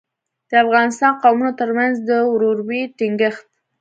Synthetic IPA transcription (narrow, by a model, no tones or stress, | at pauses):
d̪̥əafɣɑnɪst̪ɑnqawmunot̪əɾmanzd̪əwɾoɾbiʈɪŋɡəxt̪̚